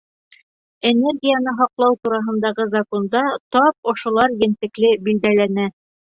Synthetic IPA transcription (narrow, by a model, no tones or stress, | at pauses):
enerɡʲijanɤɦɒqlˠɑwt̪uɾɑɦɤ̆nd̪ɑʁɤzɐkond̪ɑt̪ɒp̚ŏʃŏlˠɑɾjɘ̆nt̪ɘ̆klɘbild̪ælænæ